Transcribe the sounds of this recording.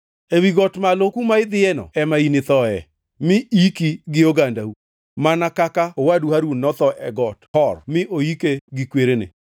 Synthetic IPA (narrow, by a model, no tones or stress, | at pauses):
ewiɡɔtmalokumaɪd̪ɪɛnɔ̰ɛmainɪt̪ɔɛ | mɪikiɡɪoɡandau | manakakaowaduhaɾunːɔt̪ɔʔɛɡɔthɔrmɪʔoikeɡɪkweɾenḛ